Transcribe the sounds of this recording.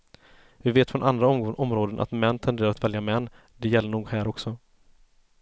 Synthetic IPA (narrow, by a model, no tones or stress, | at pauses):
vɪveːt̪fɾɔnand̪ɾaɔɔmɾoːd̪ənʔa̰t̪mɛnːt̪ʰɛnd̪eːɾaɾat̪vɛljamɛnː | d̪ɛjɛlːəɳuːɡhæːɾɔksɔ